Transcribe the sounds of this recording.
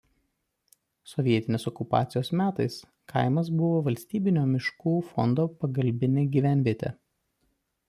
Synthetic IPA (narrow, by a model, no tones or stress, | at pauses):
sɔʋʲiɛt̪ʲɪnʲeːsɔkʊpɑ̰ːt̪sʲɪjoːsmʲæːt̪ɐɪs | kʰɐ̰ɪmɐs̬bʊʋoːʋɐlʲsʲt̪ʲiːbʲɪnʲoːmʲɪʃkuːfɔ̰nd̪oːpɐɡɐlʲbʲɪnʲeːɡʲiːʋʲæˑnʲʋʲiɛt̪ʲḛ